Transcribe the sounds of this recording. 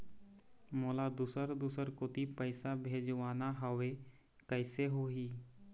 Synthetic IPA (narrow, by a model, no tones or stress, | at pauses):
moːlad̪usəɾd̪usəɾkot̪ipəɪsabʱeːd͡ʒʋaːnaɦəʋe | kəɪseɦoːɦiː